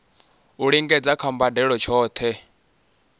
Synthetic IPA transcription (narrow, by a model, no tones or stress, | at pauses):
uɺiŋɡɛd͡zakʰambadɛɺɔt͡ʃʰɔːt̪ʰɛ